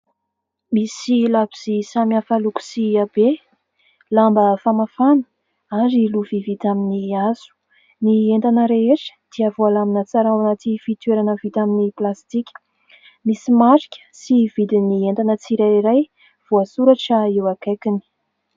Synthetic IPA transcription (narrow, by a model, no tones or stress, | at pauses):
misilabiz̥isamiafəluku̥siabe | lambəfamafanə̥ | aɾiluvivit̪aminiazu̥ | nient̪anəɾeeʈ͡ʂə̥d̪̥iavoalaminat͡saɾawanat̪ifit̪weɾanəvit̪aminiplast̪ikʲə̥ | misimaɾi̥kʲə̥sivid̪inient̪anət͡siɾaiɾaj | v̥oasuɾaʈ͡ʂəiwakakini̥